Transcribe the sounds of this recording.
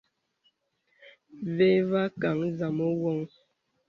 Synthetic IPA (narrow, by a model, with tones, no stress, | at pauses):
ve˦va˦ka˨ŋza˨mo˦wɔ˦ŋ